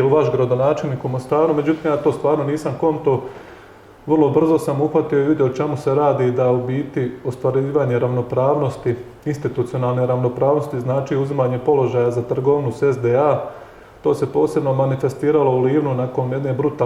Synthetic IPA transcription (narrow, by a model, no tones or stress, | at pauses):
ɛuʋaʃɡɾad̪o̞naːt͡ʃe̞lˠniːkumo̞st̪aːɾume̞d͡ʑut̪iːmjaːt̪o̞ːst̪ʋaːɾno̞niːsamko̞nt̪o̞ | ʋərlˠo̞br̩zo̞samuxʋat̪io̞iʋid̪jeot͡ʃemuse̞ɾaːd̪id̪aubiːt̪iost̪ʋaɾiːʋaːɲe̞ɾaʋno̞pɾaːʋno̞st̪i | inst̪it̪ut̪sio̞naːlneɾaʋno̞pɾaːʋno̞st̪iznaːt͡ʃiuzimaːɲe̞po̞lo̞ʒajazat̪r̩ɡoʋnusezd̪ea | t̪o̞ːse̞po̞ːse̞bno̞manife̞st̪iːɾalouliːʋnunako̞nje̞d̪ne̞bɾut̪a